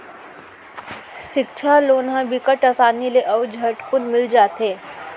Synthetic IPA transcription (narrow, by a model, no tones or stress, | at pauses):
ʃɪkt͡ʃʰaloːnɦãbikəʈasaːnileʔɐʋd͡ʒʱɐʈpʊnmɪld͡ʒaːt̪ɦeː